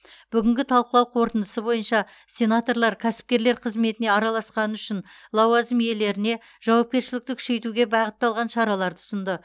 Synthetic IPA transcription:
b̥ʏɡʲɪŋɡʲɪt̪ʰɑlˠqəlˠɑwqʰo̞ɾt̪ənd̪əsəbo̞jənʃɑ | sʲe̞nat̪o̞rlˠɑɾkʲʰæsɪ̥p̚kʲe̞ɾle̞ɾqʰəzme̞t̪ɪne̞ɑɾɑlˠɑsqɑnəʏʃɪnlˠɑwɑzɪmje̞le̞ɾɪne̞ | ʒ̥ɑwɑp̚kʲe̞ɾʃɪlɪk̚t̪ɪkʰʏ̥ʃe̞jt̪uɡʲe̞bɑʁət̪ːɑlˠʁɑnʃɑɾɑlˠɑɾt̪əʊsənd̪ə

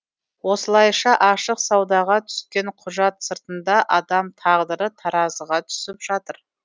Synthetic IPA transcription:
wo̞səlˠɑjʃɑʔɑʃəqsɑwd̪ɑʁɑt̪ʰʏ̥skʲe̞ɴqʰʊʒɑt̪səɾt̪ənd̪ɑʔɑd̪ɑmt̪ʰɑʁd̪əɾət̪ʰɑɾɑzəʁɑt̪ʰʏ̥sɪpʒ̥ɑt̪əɾ

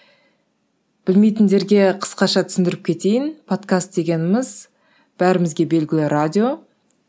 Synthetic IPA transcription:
b̥ɪlme̞jt̪ɪnd̪e̞ɾɡʲe̞qʰə̥sqɑʃɑt̪ʰʏsɪnd̪ɪɾɪp̚kʲʰe̞t̪e̞jɪnpʰo̞t̪kast̪̚d̪e̞ɡʲe̞nɪmɪz | b̥æɾɪmɪzɡʲe̞be̞lɡʲɪlɪɾad̪ʲijo̞

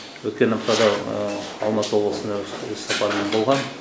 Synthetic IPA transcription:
wɵt̪̚kʲe̞nɑq̚t̪ɑd̪ɑ | ɑ̰lˠmɑt̪əwo̞blˠəsənd̪ɑɵzsɑpɑɾəme̞nbolˠʁɑn

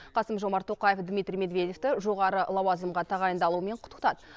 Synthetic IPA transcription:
qʰɑsəmʒo̞mɑɾt̪ʰːo̞qɑjefd̪mʲijt̪ɾʲijme̞d̪vʲe̞d̪ʲeft̪ɪʒo̞ʁɑɾəlˠɑwɑzəmʁɑt̪ʰɑʁɑjənd̪ɑlˠuəme̞ɴqʰʊt̪ə̥qt̪ɑd̪ə

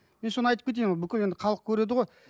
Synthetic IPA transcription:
menso̞nəɑjt̪əp̚kʲʰeejmʁobɪkʲɪle̞nd̪ɪχʰɑlˠəq̚kʲʰɵɾe̞d̪ɪʁoj

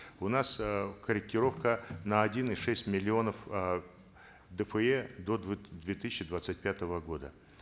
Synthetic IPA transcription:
ʊnaskəɾʲɪk̚tʲɪɾo̞fkənəɐdʲinɨʂɛsʲtʲmʲɪlʲɪo̞nəf | d̪əfəɛd̪od̪vʲet̪ɨsʲɪɕːɪd̪vat̪sɨt̚ʲpʲat̪əvəɡo̞d̪ə

